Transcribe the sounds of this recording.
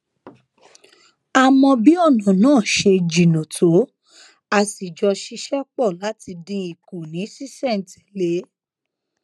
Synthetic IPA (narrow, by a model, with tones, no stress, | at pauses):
a˦˨mɔ̃˧bi˦ɔ˦˨nɔ̃˨nãː˦˨ʃe˧d͡ʒi˨nõ˨tʰo˨˦ | a˧˨si˨d͡ʒɔ˧ʃi˧˦ʃɛ˦k͡pɔ˦˨la˨˦ti˧dĩ˧i˨ku˨nĩ˨˦si˦sɛ˦˨n̩˨tɛ˨le˨˦